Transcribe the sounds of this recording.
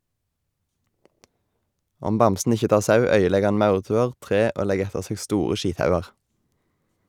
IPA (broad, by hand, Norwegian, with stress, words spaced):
ˈɔm ˈbɑmsn̩ ˈɪçə ˈtɑːʁ ˈsɑʉ ˈœʏəˌlɛɡ ˈhɑn ˈmɑʉʁˌtʉːəʁ ˈtʁeː ˈoː ˈlɛɡ ˈɛtəʁ ˈseːɡ ˈstuːʁə ˈʃiːtˌhɑʉɑʁ